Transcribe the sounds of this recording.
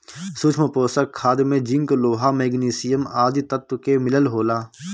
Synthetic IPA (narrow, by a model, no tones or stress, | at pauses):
sut͡ʃʰməpoːsəkʰːaːd̪mẽd͡ʒɪ̃ŋkloːɦameːɡniːsɪjəmaːd̪it̪ət̪wkemɪləlɦoːlaː